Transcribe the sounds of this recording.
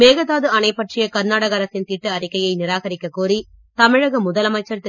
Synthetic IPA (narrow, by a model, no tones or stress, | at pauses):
meːɣɐðaːðɯɐnɐɪpːɐʈrɪjɐkɐɾnaːɽɐɣɐɾɐsɪnt̪iːʈːɯɐɾɪkːɐjɐɪnɪɾaːɣɐɾɪkːɐkuːɾi | t̪ɐmɪɻɐɣɐmʊðɐlɐmɐɪt͡ʃːɐɾt̪